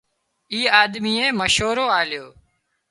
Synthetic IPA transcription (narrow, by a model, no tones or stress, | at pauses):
iːaːd̪miːeːməʃɦoːɾoːaːljoː